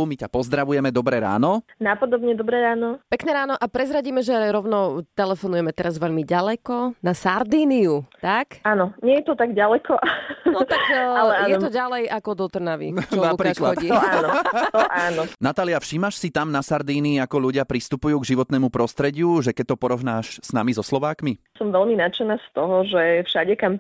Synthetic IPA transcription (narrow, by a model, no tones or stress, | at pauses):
umicapɔzd̪ɾaʋujɛmɛd̪ɔbɾɛɾa̰ːnɔnapɔd̪ɔbɲɛd̪ɔbɾɛɾaːnɔpɛknɛːɾaːnɔʔapɾɛzɾaɟiːmɛʒɛɾɔʊnɔt̪ɛlɛfɔnujɛmɛt̪ɛɾazʋɛʎmiɟalɛkɔnasaɾd̪iːniut̪akanɔɲɛjɛt̪ɔt̪aɡɟalɛkʰɔʔanɔt̪akalɛajnjɛt̪ɔɟalɛjʔakɔd̪ɔt̪r̩naʋḭt͡ʃɔnakpɾiklaɔɟiːat̪ʔaːnɔnat̪aːliafʃiːmaʃsit̪amnasaɾd̪iːniakɔʎuɟɪapɾist̪upujuːɡʒiʋɔt̪nɛːmupɾɔst̪ɾɛɟɪuʒɛkɛc̚t̪ːɔpɔɾɔʋnaːʃz̥namizɔslɔʋaːkmi | sɔmʋɛʎminat͡ʃɛnaːst̪ɔɦɔʒɛfʃaɟɛkam